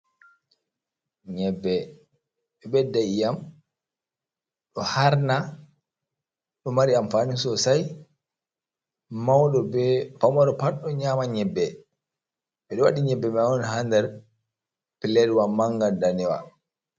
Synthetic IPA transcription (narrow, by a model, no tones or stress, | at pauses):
ɲɛbːɛ | ɓɛbɛdajam | ɗɔhaɾna | ɗɔmaɾiamfaːnisɔsaj | mawɗɔbɛfamɔɾɔpaɗɔɲaːmaɲɛbːɛ | ɓɛɗɔwaɗiɲɛbːɛɓɛaɔnhandɛɾ | pilːɛdwamːaŋɡandanɛwa̰